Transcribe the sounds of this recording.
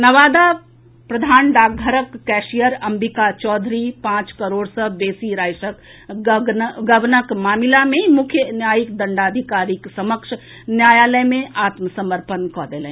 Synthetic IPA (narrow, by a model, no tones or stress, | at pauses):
nəʋaːd̪a | pɾɐd̪ʱaːnɖaːɡɡʱəɾəkːɛːʃijəɾɐmbikat͡ʃɔːd̪ʱɾipãːt͡ʃkəɾoːɽsəbeːsiɾaːjʃək | ɡəʋnəkmaːmilamẽmʊkʰjənjaːjikd̪əɳɖaːd̪ʱikaːɾiksɐməkʃ | njaːjaːləjmẽʔaːt̪məsəməɾpənkɔːd̪eːlḛ̃